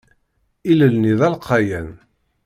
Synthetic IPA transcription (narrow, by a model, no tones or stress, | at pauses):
iləlniðˤɑlqːɑjæn